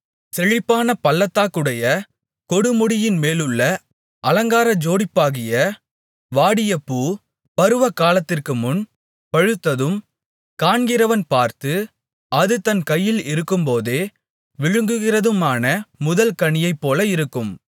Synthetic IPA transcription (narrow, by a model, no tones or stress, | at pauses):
sɛɻɪpːaːnɐpɐlːɐt̪ːaːkɯɽɐjɐ | kɔɽɯmʊɽɪjɪnmeːlɯɭːɐ | ʔɐlɐŋɡaːɾɐd͡ʒoːɽɪpːaːɣɪjɐ | ʋaːɽɪjɐpːuː | pɐɾɯʋɐkːaːlɐt̪ːɪrkɯmʊn | pɐɻɯt̪ːɐðɯm | kaːɳɡɪɾɐʋɐnpaːɾt̪ɯ | ɐðɯt̪ɐnkɐjːɪlɪɾɯkːɯmpoːðeː | ʋɪɻɯŋɡɯɣɪrɐðɯmaːnɐmʊðɐlkɐɳɪjɐɪpːoːlɐɪɾɯkːɯm